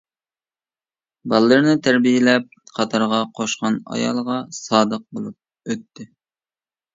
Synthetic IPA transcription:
bɑlˠɨlˠɨɾnɨt̪ʰæɾbijelɛp̚qʰɑt̪ʰɑɾʁɑqʰoʃqɑnɑ̰jɑ̰lˠʁɑsɑːd̪əq̚bolˠup̚ | øt̪ʰːɪ

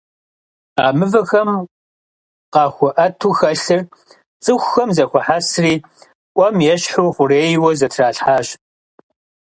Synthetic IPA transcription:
aːmɨvɐxɐm | qɑːxʷɔʔɐtʰuːxɐɬɨr | t͡sʼɨxʷːɐmzɐxʷɔħaːsriː | ʔʷɔmjɛɕħuːχʷʊreːjwɐzɐtʰraːɬħaːɕ

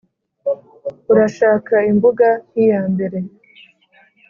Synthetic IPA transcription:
uɾaʃaːkaimbuɡahijaːmbe̞ɾe̞

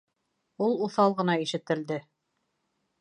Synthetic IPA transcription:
ulˠuθɑlˠʁɤ̆nɑiʃɘ̆t̪ɘ̆ld̪ɘ

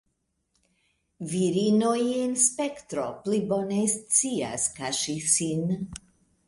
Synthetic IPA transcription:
viɾinojenspektɾoplibonest͡sia̰skaʃisin

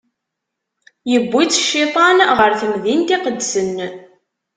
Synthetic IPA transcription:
jəbːit͡sːʃːit̪ˤɑnʁəɾθəmðint̪iqəd̪sənː

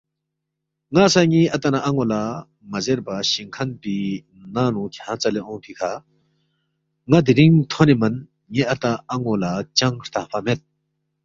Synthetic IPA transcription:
ŋasaŋiʔɐt̪anaʔaŋola | mɐzeɾbaɕiŋkʰɐnpi | nanũkʰjãt͡saleʔɔ̃pʰikʰa | ŋad̪iɾiŋt̪ʰɔnimɐn | ŋeʔat̪aaŋolat͡ɕaŋɾ̥t̪ʰapamet̪̚

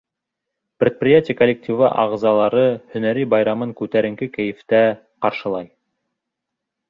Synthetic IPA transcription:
pɾʲet̪̚prʲɪjatʲɪjəkolʲːek̚tʲivɑʔɑ̰ʁzɑlˠɑɾɤhɵ̆næɾibɑjɾɑmɤŋkʉt̪æɾɘ̆ŋkɘkæjɘ̆ft̪æ | qɑɾʃɤ̆lˠɑj

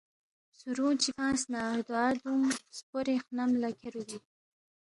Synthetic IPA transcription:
suɾũt͡ʃifãːsnaɾd̪uad̪umspoɾexnamlakʰeɾuɡi

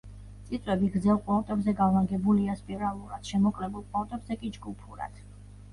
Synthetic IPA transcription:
t̪sʼit̪sʼwɛbiɡzɛlˠqʼɔt̪ʼɛbzɛɡavaɡɛbuliaspʼiɾalˠuɾad̪̥ʃɛmɔkʼlɛbulˠpʼat̪ʼɛbzɛkʼid͡ʒɡupʰuɾa̰d̪̥

